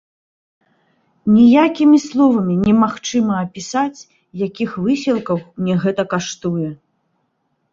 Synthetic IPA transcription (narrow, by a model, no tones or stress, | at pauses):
nʲijakʲimʲislˠɔvɐmʲinʲɛmaxt͡ʂɨmɐːpʲisat͡sʲ | jakʲixvɨsʲilˠkɐwnʲɛɣɛt̪ɐkaʂt̪ujɛ